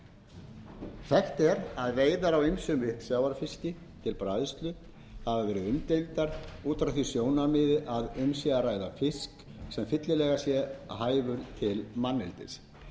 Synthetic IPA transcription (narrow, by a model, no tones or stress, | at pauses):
θɛht̪ɛɾaðveːjðaɾawijmsʏmɪhksjawaɾfɪscɪ | t̪ʰɪlpɾajðst̪lʏ | havavɛːɾɪʏmt̪ejvt̪aɾuːt̪ɾaθisjoːwnamɪðɪʔaðʏmsjɛɣaraːjðafɪsksɛmfɪt̪lɪlɛːɣasjɛhaːjvʏɾt̪ʰɪlmanːɛlt̪ɪ̰s